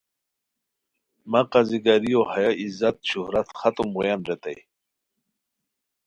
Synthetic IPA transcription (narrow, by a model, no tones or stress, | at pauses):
maqaziɡaɾijohajaizat̪̚ɕuhɾat̪xat̪umʁujanɾet̪a̰j